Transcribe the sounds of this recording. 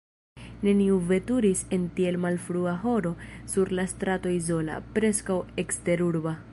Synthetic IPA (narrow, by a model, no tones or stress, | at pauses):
ne̞niuve̞tuɾise̞ntie̞lmalfɾuaɦo̞ɾo̞suɾlastɾato̞izo̞la̰pɾe̞skawe̞kste̞ɾuɾba